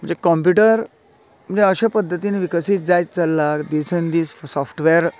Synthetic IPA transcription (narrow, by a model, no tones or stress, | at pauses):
m̤ə̃ɳd͡ʑekɔmp̬juʈəɾ | m̤ə̃ɳd͡zeəɕepəd̪ʱːət̪iːniʋikəsiːt͡sd͡zajt͡səlːakd̪isend̪iːsfsɔfʰʈʋeɾ